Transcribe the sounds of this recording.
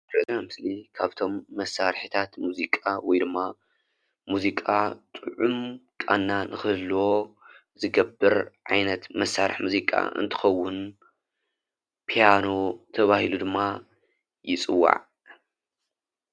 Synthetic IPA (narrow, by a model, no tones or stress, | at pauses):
bɨzamɨslikʰaβt̪ʰo̞mːɐsːaɾħit̪ʰat̪muzikʼawɔjd̪ɨmːa | muzikʼat̪ʼɨʕumkʼa̰nːanʔɨxɨlwo̞ | zɨɡɐbːɨɾʕa̰jnɐt̪mɐsːaɾɨ̰ħmuzikʼa̰ʔɨ̰nt̪ʰɨ̥xɐwːʊn | pʰijano̞t̪ʰɐβahilud̪ɨmːa | jɪt͡sʼɨwːa̰ʕ